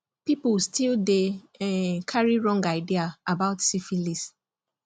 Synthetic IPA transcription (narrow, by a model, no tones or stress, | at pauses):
pipʊstilde | kʰaɹiɹɔ̃ŋɡaɪdiaabaʊtsifilis